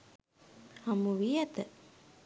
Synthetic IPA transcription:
hamuʋijat̪ə

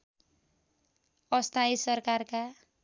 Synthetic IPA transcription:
ʌst̪ʰaisʌrkarka

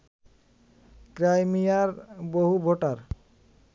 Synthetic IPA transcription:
kɾajmijaɾboɦubʱoʈaɾ

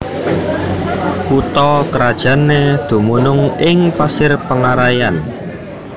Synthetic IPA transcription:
kut̪ɔkəɾad̥ʒ̥ä̤ned̪̥ṳmunʊŋɪŋpasɪrpəŋaɾajan

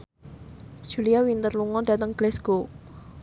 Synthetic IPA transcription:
ʒ̥uliawint̪ərluŋɔɖa̤t̪əŋɡ̥lɛsɡ̥o

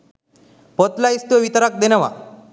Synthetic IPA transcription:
pɔt̪laist̪eʋit̪əɾak̚d̪enəʋa̰

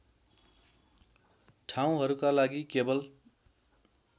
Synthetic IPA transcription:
ʈʰaw̃ɦʌɾukalaɡikebʌl

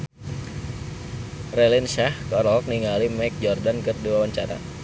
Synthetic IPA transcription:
rɛlinʃahkɔɾɔlk̚niŋalimak̚d͡ʒɔrdankɨduawaɲt͡ʃaɾa̰

